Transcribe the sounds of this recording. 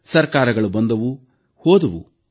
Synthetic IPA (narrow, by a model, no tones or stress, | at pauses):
sɐɾkaːɾɐɡɐɭubɐnd̪ɐʋu | hoːd̪ɐʋṵ